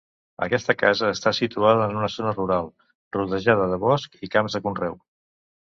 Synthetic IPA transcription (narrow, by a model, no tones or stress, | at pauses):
ə̰kɛst̪əkazəːst̪asit̪uaðəːnunəzonəruɾalˠ | ruðəʒaðəðəβɔskikamzðəkunrɛw